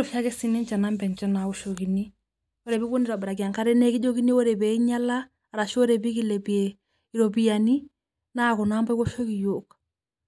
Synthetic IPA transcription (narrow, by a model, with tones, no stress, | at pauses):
ɔ˨ʃa˦kɛ˦si˨ni˦nt͡ʃɛ˨na˦mbɛ˨nt͡ʃɛ˦na˨ɔ˦ʃoki˨ni˦ | ɔ˦ɾɛ˨bi˦ko˦ni˨ɾa˨ba˨ɾa˨ki˨a˨ŋka˦ɾɛ˦nɛ˦ki˦d͡ʒo˦ki˦ni˦ɔ˦ɾɛ˨bɛ˨i˦ɲa˦laː˦˨ | ɾa˨ʃɔ˦ɾɛ˨bi˦ki˦lɛ˨biɛ | i˨ɾo˨bi˨ja˨ni˦ | na˦kɔ˨na˦mbɔ˦ko˦ʃo˦ki˨jo˨k